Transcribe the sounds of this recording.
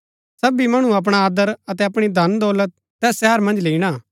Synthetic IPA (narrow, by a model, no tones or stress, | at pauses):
sɐbimɐɽ̃ũɐp̬ɽ̃aaːd̪əɾɐt̪ɛɐpɽ̃id̪ʱɐnd̪ɔːlət̪̚ːɛːsʃɛːəɾmɐ̃nd͡ʒleiɽ̃aː